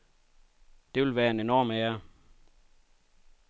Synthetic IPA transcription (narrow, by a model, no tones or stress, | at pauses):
d̥e̝ʋe̝lʋæːɐenenɒːmæːɐ